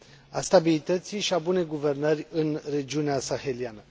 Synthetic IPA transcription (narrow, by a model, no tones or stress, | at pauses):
a̰st̪abilit̪ət̪siʃiabune̞jɡuve̞rnərʲɨnre̞d͡ʒiuneasaxelianə